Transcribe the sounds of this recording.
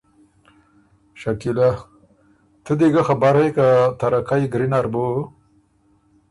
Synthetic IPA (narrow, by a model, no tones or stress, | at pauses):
ʃakila | t̪əd̪eɡaxabaɾhekat̪aɾakajɡɾinaɾbo